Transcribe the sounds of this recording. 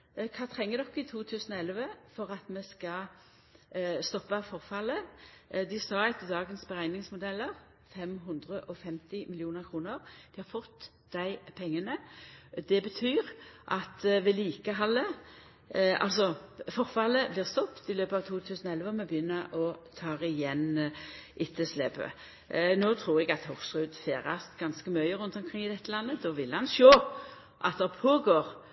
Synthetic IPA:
kʰɑːt̪ʰʁɛŋːəɾd̪ɔkːəɪt̪ʰuːt̪ʰʉːsənɔɛlʋəfɔʁɑt̪mɛskɑ | st̪ɔpːɑfɔʁfɑləd̪ɪsɑɛt̪ːəd̪ɑːɡənsbəʁæɪnɪŋsmʊd̪ɛlːəʁ | fɛmɦɵnd̪ʁəʔɔfɛmt̪ɪmɪlɪuːnəʁkʰʁuːnəʁd̪̥ɪhɑʁfɔt̪ː | d̪æɪpʰɛŋːənəd̪ɛbət̪ʰyːʁʔɑt̪ʋɛliːkəɦɑlːə | ɑ̰lsɔfɔʁfɑləblɪːʁst̪ɔpt̪ɪløːpɑʋt̪ʰuːt̪ʰʉːsnɔɛlʋəɔmɛbəjʏnːəʔɔt̪ʰɑːʁɪjɛnʔɪt̪ʰːəslɛːbə̰ | noːt̪ʰʁuːʁɛɡɑt̪hʊksʁʉːd̪feːʁɑsɡ̥ɑnskəmœʏəʁʉnt̪ɔmkʰʁɪŋːɪd̪ɛt̪ːəlɑnːəd̪ɔːʋɪlhɑnʃoː | ʔɑ̰t̪̚d̪ɛʁpʰoːɡoːʁ

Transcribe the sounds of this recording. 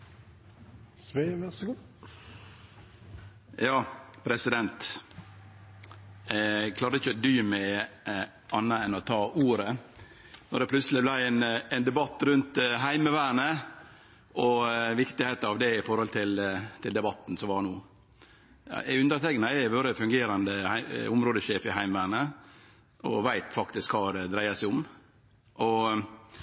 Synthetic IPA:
sʋeʋæsɡu | jɑːpʰɾɛsɪd̪ɛnt̪ | kʰlɑːɾəɪçəod̪yːmæ | ʔɑnːəɛnɔt̪ʰɑːʔuːɾə | nɔd̪ɛpʰlʉt̪səlɪblæɪɛnɛnd̪ɛbɑt̪ːɾʉnt̪ɦæɪməʋæːɳə | ʔɔʋɪkt̪ɪheːt̪ɑʋd̪ɛɪfɔɾhɔlt̪ʰɪlt̪ʰɪld̪ɛbɑt̪ːn̩sɔmʋɑɳuː | ʉnd̪əɾt̪ʰɛkənəɛʋoːɾəfʉŋɡeːɾɑnd̪əhæɪʊmɾoːd̪əʃeːfɪɦæɪmʋæːɳə | ʔɔ̰ʋæɪt̪fɑkt̪ɪskhɑːɾd̪ɾæɪɑsæɪʊm | ʔɔ

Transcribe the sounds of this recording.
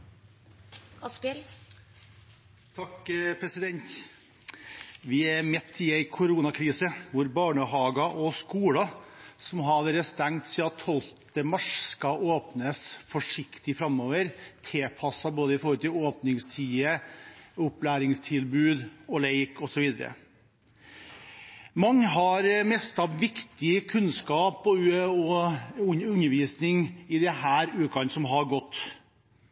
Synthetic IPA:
s | t̪ʰɑkpʰɾɛsɪd̪ɛnt̪ | ʋɪɛɾmɛt̪ʰːɪæɪkʰʊɾuːnɑkʰɾiːsəʋʊɾbɑːɳəɦɑːɡɑʔɔskuːɽɑsɔmɦɑɾɾəst̪æŋt̪siɑt̪ʰːɔlt̪əmɑʂskɑʔoːpnəsfɔʂɪkt̪ɪfɾɑmːoːʋəɾt̪ʰepʰɑsːɑboːd̪əɪfɔɾhɔlt̪ɪloːpnɪŋst̪ʰiːə | ʊplæːɾɪŋst̪ʰɪlbʉːd̪ɔleɪkɔsɔʋiːd̪əɾə̰ | mɑŋːɦɑɾmɛst̪ɑʋʋɪkt̪ɪəkʰʉnskɑːpɔɔʉnʉnːəɾʋiːsnɪŋɪd̪ɛɦæːɾʉːkɑnsɔmɦɑɾɡɔt̪ː

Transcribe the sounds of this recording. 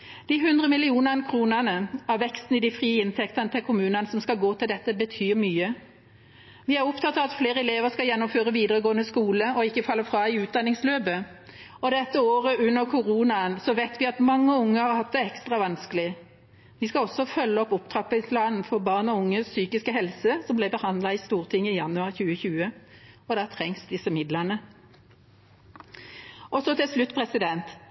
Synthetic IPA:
d̪̥ɪɦʉnd̪ʁəmɪlɪuːnəʁnkʰʁuːnəʁnəɑʋʋɛkst̪n̩ɪd̪ɪfʁiːɪnt̪ʰɛkt̪ənət̪ʰɪlkʰʊmʉːnənəsɔmskɑɡoːt̪ʰɪld̪ɛt̪ːəbət̪ʰyːmyːə | ʋɪæʁɔpt̪ʰɑt̪ːɑʋɑt̪fleːʁəɛleːʋəskɑljɛnːɔmføːʁəʋiːd̪əʁəɡoːənəskuːləɔɪkːəfɑlːəfʁɑːɪʉːt̪̚d̪ɑnːɪŋsløːbə | ɔd̪ɛt̪ːəoːʁəʉnːəʁkʰʊʁuːnɑənsɔʋeɪt̪ʋɪɑt̪mɑŋːəʊŋːəhɑʁhɑt̪̚d̪ɛɛkst̪ʁɑʋɑnskəlɪ | ʋɪskɑɔsːɔfœlːəɔpʊpt̪ʰʁɑpːəɪpʰlɑːnn̩fɔʁbɑːʁnɔʊŋːəssyːkɪskəɦɛlsəsɔmblɛɪbəhɑnd̪lɑɪst̪uːʁt̪ʰɪŋːɪjɑnːʉɑʁçʉːəçʉːəɔd̪ɑːt̪ʰʁɛŋsd̪ɪsːəmɪd̪lənə | ʔɔsɔt̪ʰɪlslʉt̪ːpʰʁɛsɪd̪ɛnt̪

